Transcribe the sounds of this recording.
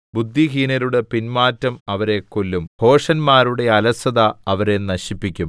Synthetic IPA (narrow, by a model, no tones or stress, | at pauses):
bud̪ʱːiɦinɐɾuɽe̞pinmaːtːɐmɐʋɐɾe̞kːolːumho̞ːʂɐnmaːɾuɽe̞ɐlɐsɐðɐɐʋɐɾe̞nɐɕipːikʲːum